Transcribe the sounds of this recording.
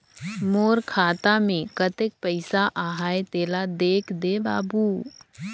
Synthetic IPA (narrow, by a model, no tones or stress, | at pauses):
moːɾkʰaːt̪amẽkət̪ek̚pəɪsaʔaːɦaːet̪eːlad̪eːkʰd̪eba̰ːbu